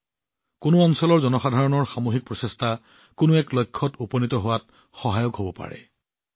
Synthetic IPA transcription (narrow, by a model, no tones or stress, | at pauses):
kʊnʊɔnsɔlɔɹzɔnɔxadʱaɹɔnɔɹxamoɦik̚pɹɔsesta | kʊnʊɛklɔjkʰːɔtupɔnitɔɦowat | xɔɦajɔkɦobɔpa̰ɹɛ̰